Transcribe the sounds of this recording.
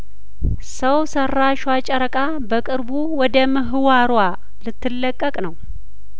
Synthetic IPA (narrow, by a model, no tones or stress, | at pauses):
səwsərːaʃwat͡ʃʼɛɾəkʼa | bəkʼɨɾbuwɔd̪əməɦɨwaɾwa | lɨt̪ʰːɨlːəkʼːəkʼnəw